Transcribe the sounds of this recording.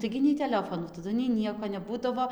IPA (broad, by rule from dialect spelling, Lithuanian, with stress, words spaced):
ˈtɐɪɡʲɪ nʲɛɪ tʲɛˈlʲæːfoːnuː tɐˈdʊ nʲɛɪ ˈnʲiɛkoː nʲɛˈbuːdɐʋoː